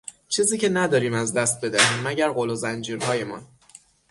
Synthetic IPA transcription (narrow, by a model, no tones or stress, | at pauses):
t͡ʃʰiːziːcʰe̞næd̪ɒːɾiːmæzd̪æst̪̚be̞d̪æɦiːmːæɟæɾɢolozænd͡ʒiːɾɦɒːje̞mɒ̰n